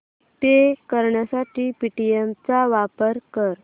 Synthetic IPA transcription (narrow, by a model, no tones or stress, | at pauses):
t̪ekəɾɳjasaʈiːpiʈiemt͡saʋapəɾkəɾ